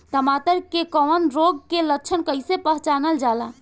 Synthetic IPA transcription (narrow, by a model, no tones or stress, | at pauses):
t̪əmat̪əɾkekɔnɾoɡ̚kelək̚t͡ʃʰənkəɪsepəɦt͡ʃanəld͡ʒala